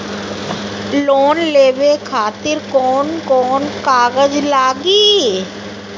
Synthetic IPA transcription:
loːnleːʋekʰaːt̪ɪɾkɔːnkɔːnkaːɡəd͡ʒlaːɡiː

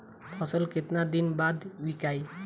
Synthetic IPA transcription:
pʰɔsəlkɪt̪nad̪inbad̪wikaːj

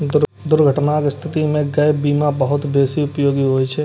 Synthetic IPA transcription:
d̪ʊɾ | d̪ʊɾɡʱəʈnakest̪ʰɪt̪imẽɡɐjbiːmabəɦʊt̪beːsiʊpjoːɡiɦoːjt͡ʃʰɛ

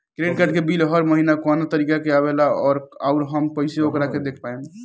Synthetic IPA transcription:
kɾeɖkəʈkebilɦəɾməɦinakɔnat̪əɾikakeaβelaɔːɾauɾɦəmpəɪseokɾaked̪ekʰpaem

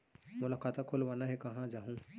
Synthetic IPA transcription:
mʊlaːkaːt̪akʰolʋaːnaɦɛkɐɦãd͡ʒaːɦũ

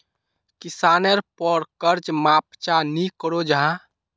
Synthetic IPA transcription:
kisanəɾpəɾkəɾt͡ʃmapt͡ʃanikəɾod͡ʒəɦã

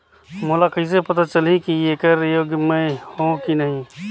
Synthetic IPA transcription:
mʊlakisepɐt̪at͡ʃəlikieːkəɾjoːɡmẽhõkinɐɦĩ

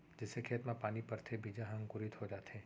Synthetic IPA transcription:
d͡ʒɪsekʰeːt̪mãpaːnipɐɾt̪ʰebiːd͡ʒaɦɐ̃ŋɡkʊɾɪt̪ɦod͡ʒaːt̪ɦɛ̃ː

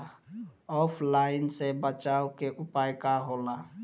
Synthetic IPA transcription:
ɔːpʰlaɪnsebət͡ʃaːukeʔʊpaːjkaɦola

